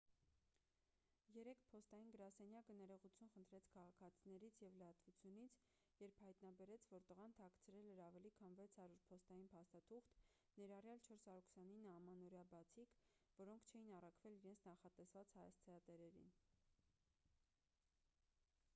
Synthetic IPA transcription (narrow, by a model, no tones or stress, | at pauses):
jɛɾɛkʰpʰɔst̪ɑjinɡəɾɑsɛnjɑkənɛɾɔʁut͡sʰjunχənt̪ʰɾɛt͡sʰkʰɑʁɑkʰɑt͡sʰinɛɾit͡sʰjɛvləɑt̪vut͡sʰjunit͡sʰ | jɛɾphɑjt̪nɑbɛɾɛt͡sʰvɔɾt̪əʁɑnt̪ʰɑkʰt͡sʰəɾɛlɛɾɑvɛlikʰɑnvɛt͡sʰhɑɾjuɾpʰɔst̪ɑjinpʰɑst̪ɑt̪ʰuχt̪ | nɛɾɑrjɑlt͡ʃʰɔɾsɑɾuɾkʰsjɑninɑmɑnɔɾjɑbɑt͡sʰikvɔɾɔŋkʰt͡ʃʰɛjinɑrɑkʰvɛliɾɛnt͡sʰnɑχɑt̪ɛsvɑt͡shɑjɑ̰st͡sʰɛɑt̪ɛɾɛɾḭn